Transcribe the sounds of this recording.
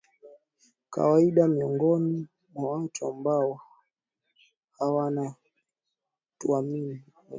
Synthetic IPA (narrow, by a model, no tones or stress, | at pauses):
ka̰waiɗamiɔŋɡɔni | mwawatuambaɔ | hawana | tuamini